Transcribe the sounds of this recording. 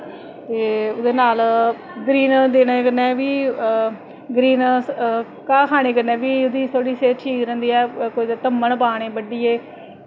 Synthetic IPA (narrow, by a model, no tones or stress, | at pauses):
t̪eːʊd̪eːnaːl | ɡɾiːnd̪eːneːkəɾnɛ̃ːʋiː | ɡɾiːn | kãːkʰaːɽ̃eːkəɾnɛ̃ːʋiːʊd̪iːt̪ʰoːɽiːseːʈʰiːkɾɛ̃ːnd̪iːɛːkoid̪t̪əmːəɳpaːɽ̃eːbəɖiːeː